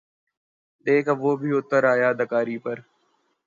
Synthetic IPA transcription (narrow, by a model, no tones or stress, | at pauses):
ɗ̪eːkʰʋoːbʱiʊt̪ːəɾaːjaːd̪əkaːɾiːpəɾ